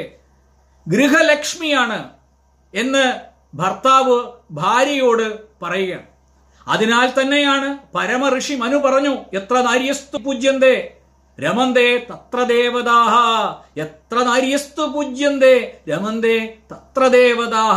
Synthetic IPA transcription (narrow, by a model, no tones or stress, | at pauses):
ɡɾiɦɐlɐkʂmijaːɳɨ | e̞nːɨ | bʱɐrt̪aːʋɨbʱaːɾjɐjoːɽɨpɐrɐjuɣaː | ɐ̰ðinaːlt̪ɐnːejaːɳɨpɐɾɐmɐrɨʂimɐnupɐrɐɲːuet̪rɐnaːɾjɐst̪upuːd͡ʑjɐnd̪eː | ɾɐmɐnd̪eːt̪ɐt̪rɐd̪eːʋɐðaːɦɐet̪rɐnaːɾjɐst̪up̬uːd͡ʑjɐnd̪eːɾɐmɐnd̪eːt̪ɐt̪rɐd̪eːʋɐðaːɦ